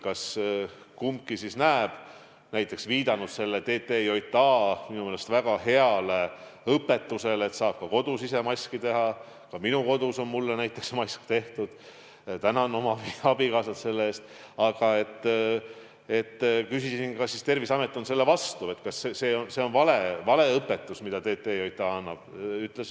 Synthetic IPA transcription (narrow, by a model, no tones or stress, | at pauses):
kɑs | kumkisisnæːb̥ | næjt̪ːˑe̞ksviːd̪ɑnud̪̥se̞lːet̪e̞ːt̪ːˑejo̞jt̪ːˑɑːminumeːlest̪væɡ̥ɑhe̞ɑle | ɤpːˑe̞t̪ːˑuse̞le̞t̪sɑːb̥̚kɑko̞d̪̥usise̞mɑjskit̪e̞ɦɑ | kɑminuko̞d̪̥uso̞nmulːenæjt̪ːˑe̞ksmɑjskt̪e̞ht̪ud̪̥ | t̪ænɑno̞mɑpiɑbikɑːsɑt̪se̞lːeeːst̪ | ɑɡ̥ɑe̞t̪ː | e̞t̪ːkysissinkɑsːist̪e̞rvisɑme̞t̪ːˑo̞nse̞lːe̞vɑst̪ue̞t̪kɑsːese̞ːonseo̞nvɑlevɑle̞ɤpːe̞t̪ːˑusmid̪̥ɑt̪e̞ːt̪ˑːeo̞jt̪ˑːɑɑnːɑb̥yt̪ːˑles